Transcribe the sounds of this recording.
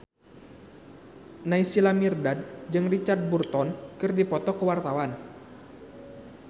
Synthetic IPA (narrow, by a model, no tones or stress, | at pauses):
naisilamirdad̚d͡ʒɨŋrit͡ʃard̪̚burt̪ɔnkɨrdipɔt̪ɔkəwart̪awan